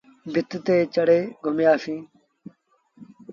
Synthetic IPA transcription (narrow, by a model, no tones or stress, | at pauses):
bʱɪt̪t̪eːt͡ʃəɽeːɡʱʊmjaːsĩː